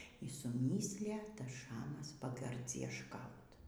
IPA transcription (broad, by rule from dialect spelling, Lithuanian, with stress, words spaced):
iː sʊˈmʲiːsʲlʲɪjɛ ˈtɐs ˈʃɑːmɐs pɐɡɐrʲd͡zʲiɛʃˈkɐʊt